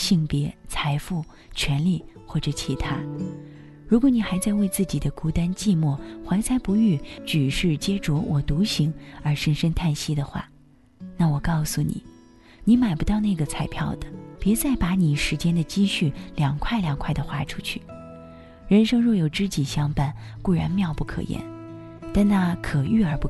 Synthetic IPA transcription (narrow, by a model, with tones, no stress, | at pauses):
ɕi˥˩ŋpjɛ˧˥t͡sʰa˧˥ɪfu˥˩ | t͡ɕʰɥɛ˧˥nli˥˩ | xwɔ˥˩ʈ͡ʂɤ˨˩˦t͡ɕʰi˧˥t̪ʰa˥ | ɻu˧˥kwɔ˧˥ni˨˩xa˧˥ɪt͡sa˥˧ɪwe˥˧ɪt͡sɹ̩˥˩t͡ɕi˨˩d̪ə˦ku˧˥t̪a˥nt͡ɕi˥˧mwɔ˥˩xwa˧˥nt͡sʰa˧˥ɪpu˧˥y˥˩t͡ɕy˨˩ʂɻ̩˥˩t͡ɕjɛ˥ʈ͡ʂwɔ˧˥wʔɔ˨˩t̪u˧˥ɕi˧˥ŋə˞˧˥ʂə˧˥ŋʂə˥ŋt̪ʰa˥˩nɕi˥d̪ə˨xwa̰˥˩ | na˥˩wɔ˨˩kɑ˥˩ʊsu˨˩nḭ˨˩˦ | ni˧˥ma˨˩ɪpu˧˥t̪ɑ˥˧ʊna˥˩ɡə˩t͡sʰa˧˥ɪpʰjɑ˥˩ʊd̪ə˩pjɛ˧˥t͡sa˥˩ɪpa˧˥ni˨˩ʂɻ̩˧˥t͡ɕjɛ˥nd̪ə˨t͡ɕi˥ɕy˥˩ljɑ˨˩ŋkʰwa˥˩ɪljɑ˨˩ŋkʰwa˥˩ɪd̪ə˩xwa˧˥ʈ͡ʂʰu̥˥t͡ɕʰy˥˩ | ɻə˧˥nʂɤ˥ŋɻɔ˥˩jo˨˩ʊʈ͡ʂɻ̩˥t͡ɕi˨˩ɕjɑ˥ŋpa˥˩nku˥˩ɻa̰˧˥nmjɑ˥˧ʊpu˥˩kʰɤ̰˨˩jɛ̰˧˥n | t̪a˥˧nna˥˧kʰɤ˨˩y˥˩ə˞˧˥pu˥˩